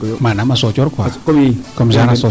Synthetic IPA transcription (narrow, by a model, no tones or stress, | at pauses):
maːnamasɔt͡ɕɔt̚kwaːkəmzaːnasɔ